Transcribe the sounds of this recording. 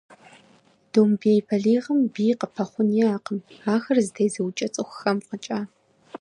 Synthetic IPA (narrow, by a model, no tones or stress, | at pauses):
d̥oːmbejpʰɐɮiːʁɐmbiːjqəpʰɐχʷʊnjiaːqəmaːxɐrzɨtʰejzɐwt͡ʃʼɐt͡sʼɨxʷxɐmqət͡ʃʼaː